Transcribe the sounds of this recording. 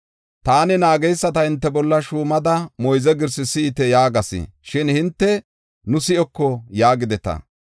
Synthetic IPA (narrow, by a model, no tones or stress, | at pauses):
t̪aːnɪnaːɡɛjsːɐt̪ɐhɪnt̪ːɛbɔlːɐʃuːmɐd̪ɐmɔjzɛɡɪɾsɪsɪːt̪ɛjaːɡɐsɪ̰ʃɪnhɪnt̪ːɛ | nʊsɪʔɔkːɔjaːɡɪd̪ɛt̪ɐ̰